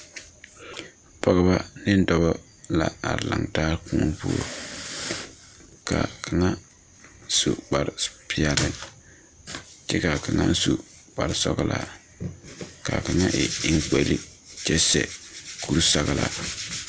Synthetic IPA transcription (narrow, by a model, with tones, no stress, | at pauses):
pɔ˨ɣɨ˦ba˦nɪ˦n˦dɔ˦bɔ˦ | la˨a˨ɾla˨ŋtaː˦ɾkũ˦npu˦o˨ | ka˨kʰa˨ŋa˦ | su˨ɡ͡ba˨ɾpʰi˨a˨lɨ˦ | t͡ʃɛ˦ka˨ka˨ŋa˦n˦su˨ | k͡pa˨ɾsɔ˦ɣlʔa̰˨ | ka˨ka˨ŋa˦ʔɪ˨ɪ˦ŋk͡pe˨li˦t͡ʃɛ˦sɛ˨kʰu˦ɾsa˨ɣla˨